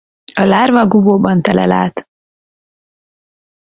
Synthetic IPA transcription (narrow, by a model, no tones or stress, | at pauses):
ɒlaːrvɒɡuboːbɒnt̪ɛlɛ̰la̰ːt̪